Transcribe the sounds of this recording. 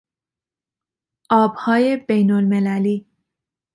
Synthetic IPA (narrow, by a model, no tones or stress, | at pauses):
ʔɒːbhɒːjebejnolmelæliː